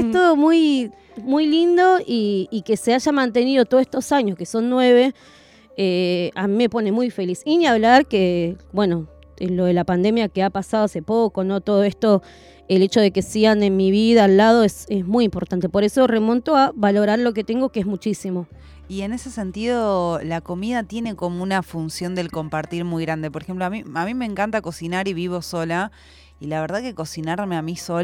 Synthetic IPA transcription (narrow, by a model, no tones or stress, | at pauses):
est̪oðomuj | mujlind̪o̞iːkeseaʒamãnt̪e̞niðo̞t̪oest̪osaɲoskeso̞nːwe̞βe̞ | eamime̞po̞nemujfe̞lisiniaβlaɾkebwe̞no̞ | elo̞ðe̞lapand̪e̞mjakeapasaðoase̞poko̞no̞t̪o̞ð̞oe̞st̪o̞ | ele̞t͡ʃo̞ð̞e̞kesiɣanenmiβiðaːlːað̞o̞esezmujimpo̞ɾt̪ant̪e̞po̞ɾe̞so̞remõ̞nt̪oaβalo̞ɾaɾlo̞k̬et̪eŋɡo̞keezmut͡ʃisimo̞ | ie̞ne̞se̞se̞nt̪iðo̞lako̞miðat̪je̞ne̞ko̞mounafunsjo̞nd̪e̞lko̞mpaɾt̪iɾmujɣɾand̪e̞poɾexemp̬loamiamĩmeːŋkant̪ako̞sinaɾiβiβo̞so̞la | ilaβe̞ɾð̞aðkeko̞sinaɾmeamiso